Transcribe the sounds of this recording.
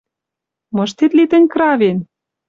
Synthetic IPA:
mɤ̆ʃ̬t̪et̪lit̪ə̆nʲkɾɑven

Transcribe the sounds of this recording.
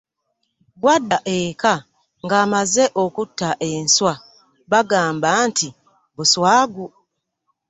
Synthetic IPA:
ɡwadːaʔeka | ŋɡaːmazeʔokutːaʔenswa | βaɡaːmbantʰi | βuswaːɡu

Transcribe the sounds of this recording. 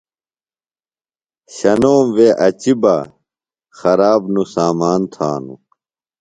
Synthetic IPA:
ɕɐnoːmʋeʔɐt͡ɕiba | xɐɾaːbnusaːmaːnt̪ʰaːnṵ

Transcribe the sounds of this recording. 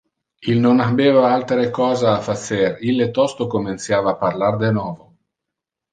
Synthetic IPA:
ilnonabeːvaalt̪ɾekɔːzaafaserilːet̪ɔst̪okomint̪sjaːvaːparlard̪enwɔːvo

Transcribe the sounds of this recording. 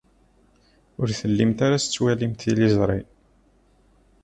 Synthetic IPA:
ʊɾθəlːimt̪aɾast͡sːwælimt̪ilizˤɾˤi

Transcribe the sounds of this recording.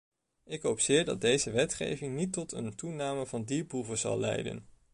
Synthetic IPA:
ɪkɦowpsɪːɹdɑ̰d̚dejzəʋɛtχḛjvɪŋnitɔtʰə̰ntunaːməvɑndipuvəzɑ̰lˠlɛ̰jdə̰n

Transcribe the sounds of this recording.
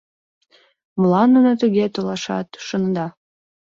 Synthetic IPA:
mlɑnːunot̪uɣet̪olɑʃɑ̰t̪ʃənd̪ɑ

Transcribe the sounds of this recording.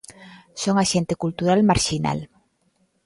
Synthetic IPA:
soŋaʃent̪ekult̪uɾalmaɾʃina̰l

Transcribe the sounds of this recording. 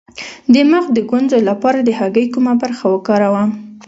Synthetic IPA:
d̪əmaxd̪əɡwanzolapɑɾad̪əhaɡəjkumabaɾxawəkɑɾawa

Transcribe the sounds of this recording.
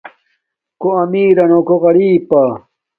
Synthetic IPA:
koɐmiːɾɐnokoɣɐɽiːpa

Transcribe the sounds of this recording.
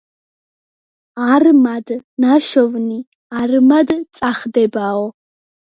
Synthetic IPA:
armadnaʃɔvni | armadt͡sʼaχdɛbaːwɔ

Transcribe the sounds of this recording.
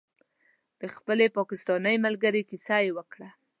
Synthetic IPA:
d̪̥əxpəlepɑkɪst̪ɑnəjmalɡaɾekisajewəkɽa

